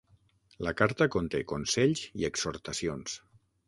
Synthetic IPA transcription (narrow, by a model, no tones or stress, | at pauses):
ləkaɾt̪əkont̪ekonsɛʎziəksoɾt̪əsions